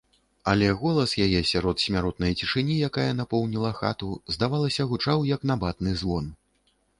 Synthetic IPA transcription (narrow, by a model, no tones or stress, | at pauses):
ɐlʲɛɣɔlˠɐsjajɛsʲaɾɔt̪sʲmʲaɾɔt̪̚nɐjt͡sʲiʂɨnʲijakajɐnapɔwnʲilˠɐxa̰t̪uzd̪avalˠɐsʲɐɣut͡ʂawjɐknabat̪nɨzvɔn